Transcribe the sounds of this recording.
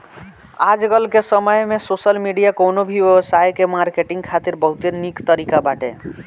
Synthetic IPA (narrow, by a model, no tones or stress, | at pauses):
ad͡ʒɡəlkesəməjmesosəlmiɖijakonobʱiʋjəbsajkemaɾkeʈiŋɡkʰat̪iɾbəɦut̪enikt̪əɾikabaʈḛ